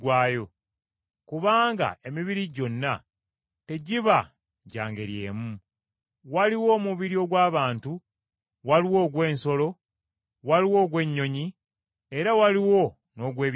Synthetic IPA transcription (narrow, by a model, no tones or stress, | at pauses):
ɡwaːjo | kuβaːŋɡa̰e̞miβiɾiɟo̞nːa | te̞ɟiβa | ɟa̰ːŋɡeɾje̞̰ːmu | waliwo̞ːmuβiɾio̞ɡwaːβaːntu | waliwo̞ːɡwe̞ːnso̞lo̞ | waliwo̞ːɡwe̞ɲːo̞ɲi | eɾawaliwo̞ | no̞ɡwe̞ːβ